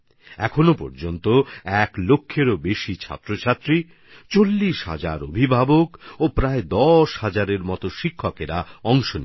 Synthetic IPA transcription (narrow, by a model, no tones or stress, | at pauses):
ɛkʰonopɔ̰ɾd͡ʑont̪oɛklokʰːeɾobeʃit͡ɕʰa̰t̪ːɾot͡ɕʰat̪ːɾi | t͡ɕolːiʃɦa̰d͡ʑa̰ɾobʱibʱabokopɾaed̪ɔʃhad͡ʑaɾeɾmɔt̪oʃikʰːokeɾaɔŋʃonḭ